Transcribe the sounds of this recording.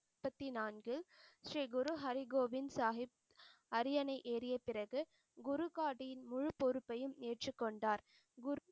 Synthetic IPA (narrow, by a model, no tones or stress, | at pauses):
pːɐt̪ːinaːnɡɪlʃriːɡʊɾuɦɐɾɪɡoːʋɪnsaːɦɪp̚ | ɐɾɪjɐnɐɪʔeːɾɪjɐpɪrɐɣɯ | ɡʊɾʊkaːʈɪjɪnmʊɻʊpːɔɾɯpːɐjɯmeːʈrɯkːɔɳɖaːɾ | ɡʊ